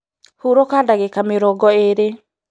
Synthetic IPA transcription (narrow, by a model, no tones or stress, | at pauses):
huɾokadaɣekameɾɔɡɔeɾe